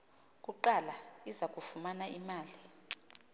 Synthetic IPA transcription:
k̬ʼuǃalaizakʼufumanaʔimaːli

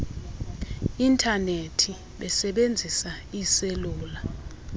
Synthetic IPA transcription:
intʼʰanetʰi | ɓɛsɛɓend͡zʱisaiseluːla

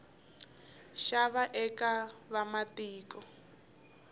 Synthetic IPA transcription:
ʃaβaʔɛkaβamatiːkɔ

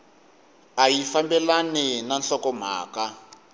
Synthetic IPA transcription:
ajifambɛlaninanɬɔkɔm̤a̰ːka

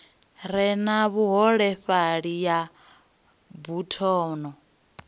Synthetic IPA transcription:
ɾɛnaβuɦɔɺɛɸaɺija | butʰɔːnɔ

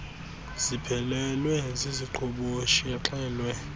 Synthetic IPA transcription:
z̥ipʰɛlɛlwɛziziǃʰɔɓoʃiɛǁʼɛːlwɛ

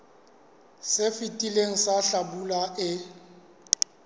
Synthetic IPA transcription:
sɪfitʼileŋ̩saɬabulaʔɪ

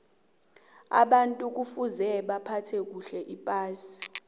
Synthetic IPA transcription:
a̰ɓantʼuk̬ufuzɛɓapʰatʰɛk̬uɬɛʔipʼaːsi̥

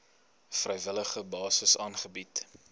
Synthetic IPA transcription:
frɛjvələχəbɑːsəsɑːnχəbit

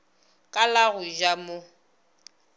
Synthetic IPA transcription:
kʼalaɣʊʒamo

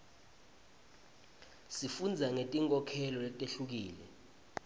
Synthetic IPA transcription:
sifund͡zʱaŋetʼiŋkʼɔkʰɛlɔlɛtʼeɬuk̬iːlɛ

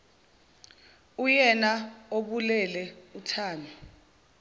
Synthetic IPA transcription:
ujɛnaoɓulɛlɛutʰaːnɔ

